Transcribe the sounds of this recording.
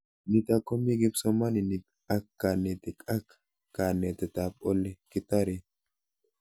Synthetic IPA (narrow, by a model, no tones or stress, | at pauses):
nɪt̪ɐkːɔmːiɡɪbsɔmɐnɪnɪ | ɐkːanɛt̪ɪkʼɐkː | kːanːɛt̪ɛt̪apʼɔlːɛkɪt̪ːɐɾe